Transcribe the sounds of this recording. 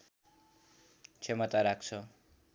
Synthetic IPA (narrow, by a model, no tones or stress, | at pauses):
t͡sʰemʌt̪aɾak̚t͡sʰʌ